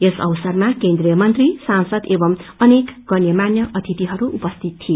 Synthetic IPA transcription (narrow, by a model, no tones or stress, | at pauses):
esʌ̰wsʌrmakend̪rijʌmʌnt̪risansʌd̪ebʌmʌnekɡʌnjʌmanjʌʔʌt̪ʰit̪iɦʌɾuʔupʌst̪ʰit̪ʰːie